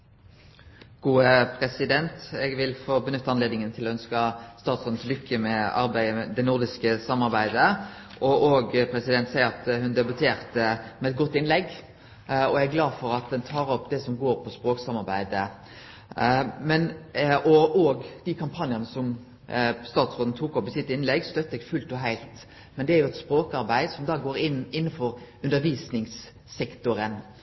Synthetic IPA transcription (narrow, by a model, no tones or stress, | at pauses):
ɡ̥uːəpʰɾɛsɪd̪ɛnt̪ɛɡʋɪlfoːbənʏt̪ːɑnleːd̪nɪŋənt̪ʰɪlɔœnskəst̪ɑːt̪sɔd̪nslʏkʰːəmɛɑ̰ɾbæɪd̪ɛnʊʁd̪ɪskəsɑmːɑʁbæɪd̪ə | ʔɔʔoɡpʰɾɛsɪd̪ɛnt̪sæɪəɾɑt̪hʉnd̪ɛbʉt̪ʰeːʁt̪əmɛɛt̪̚ɡɔt̪ːɪnlɛɡ | ɔæɡlɑːdfɔɾɑt̪̚d̪ɛnt̪ʰɑːɾɔpːd̪ɛsɔmɡoːɾpʰɔspɾoːksɑmɑɾbæ̰ɪd̪ə | mɛnɔɔːɡd̪̥ɪkʰɑmpʰɑnjənəsɔm | st̪ɑːt̪sʁoːd̪n̩t̪ʰuːkɔpɪsɪt̪ːɪnlɛɡst̪œt̪ːəɛɡfʉlt̪ɔɦæɪlt̪ | mɛnd̪ɛæɾjʊɛt̪spɾoːkɑɾbæɪd̪sɔmd̪ɑːɡoːɾɪnːɪnːnfɔɾʉnd̪əɾʋiːsnɪŋsː | ɛkt̪ʊɾən